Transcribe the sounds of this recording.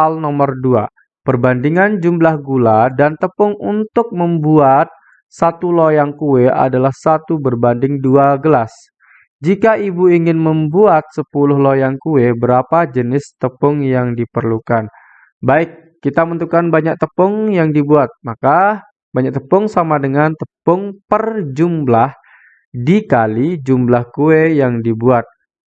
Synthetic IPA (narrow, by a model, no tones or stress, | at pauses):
alnɔmərdua | pərbandiŋand͡ʒumblahɡuladant̪əpʊŋunt̪ʊk̚məmbuat̪̚ | sat̪ulojaŋkuea̰dalahsat̪ubərbandɪŋduaɡəlas | d͡ʒikaibuiŋɪnməmbuat̪̚səpulʊhlojaŋkuwebəɾapad͡ʒənɪst̪əpʊŋjaŋdipərlukan | baɪkːit̪amənt̪ukanbaɲak̚t̪əpʊŋjaŋdibuat̪̚maka | baɲak̚t̪əpʊŋsamadəŋant̪əpʊŋpərd͡ʒumblah | dikalid͡ʒumblahkuejaŋdibuat̪̚